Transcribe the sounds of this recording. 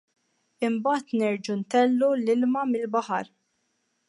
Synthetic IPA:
ɪmbɐːt̪nɛɾd͡ʒunt̪ɛlːulɪlmɐmɪlbɐħɐɾ

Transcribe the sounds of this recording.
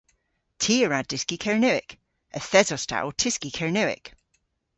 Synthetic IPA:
tʰiəɹad̥ɪskikʰɛɹnɛɪk | əθɛzɔsta̰wtʰɪskikʰɛɹnɛɪ̰k

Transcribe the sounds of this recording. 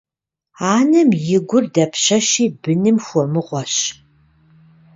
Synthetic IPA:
aːnɐmjɪɡʷʊrdɐpʰɕɐʃiːbɨnɨmxʷɔmɨʁʷɔɕ

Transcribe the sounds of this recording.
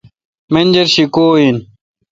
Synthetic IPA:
mɐnd͡ʑɐɾɕikoːin

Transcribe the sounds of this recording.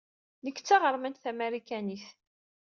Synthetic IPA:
nəkːt͡sːaʁəɾˤmænt̪θæmæɾikæniθ

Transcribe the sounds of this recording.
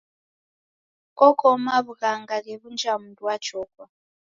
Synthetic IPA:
kɔkʰɔmaβuɣaŋɡaɣɛβund͡ʒamudwat͡ʃɔːkwa

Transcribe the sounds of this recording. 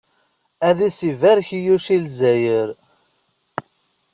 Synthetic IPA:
æðisivæɾçijuʃilzæjəɾ

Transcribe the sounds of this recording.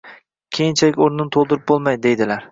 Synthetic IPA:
kʲʰejɪnt͡ʃʰalɪkʲoɾnɪnt̪ʰolˠd̪ɪɾɪp̚bolˠmajd̪e̞jd̪ɪlaɾ

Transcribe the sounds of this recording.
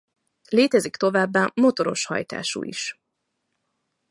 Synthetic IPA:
leːt̪ɛzikt̪o̞vaːbːaːmo̞t̪o̞ɾo̞ʃhɒ̰jt̪a̰ːʃṵːʔḭʃ

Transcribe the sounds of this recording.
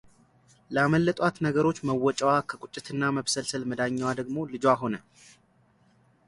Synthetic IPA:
ləaməlːət̪ʼwat̪nəɡəɾo̞t͡ʃːməwːɔt͡ʃʼəwakʰəkʼʊt͡ʃʼːɪt̪ʰɨnːaməβsəlsɨlməd̪aɲːawad̪əɡmo̞lɨd͡ʒoaɦo̞nə

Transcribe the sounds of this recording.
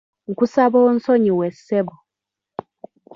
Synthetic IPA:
ŋ̩kusaβoːn̩soɲiweseβo

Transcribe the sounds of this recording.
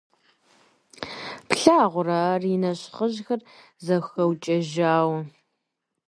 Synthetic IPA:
pɬaːʁʷʊraːrinɐɕχəʑxɐr | zɐxɐwt͡ʃʼɐʒaːwɐ

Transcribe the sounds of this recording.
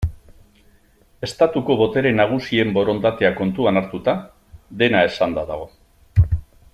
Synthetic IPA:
e̞st̪at̪uko̞βo̞t̪e̞ɾe̞naɣ̞usie̞mbo̞ɾo̞nt̪at̪e̞ako̞nt̪uanaɾt̪ut̪a | ðe̞nae̞sand̪aðaɣ̞o̞

